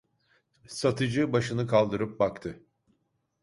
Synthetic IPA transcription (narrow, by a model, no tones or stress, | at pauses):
sat̪ʰɯd͡ʒɯbaʃɯnɯkʰalˠd̪ɯɾɯp̚bakt̪ʰɯ